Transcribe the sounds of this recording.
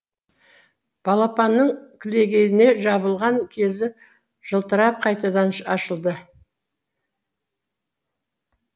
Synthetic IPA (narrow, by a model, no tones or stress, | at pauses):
b̥ɑlˠɑpɑnːəɴkʲʰɪle̞ɡʲe̞jɪne̞ʒɑβəlˠʁɑŋkʲʰe̞zɪ | ʒ̥əlˠt̪əɾɑp̚qʰɑjt̪ɑd̪ɑnʃɑʃəlˠd̪ə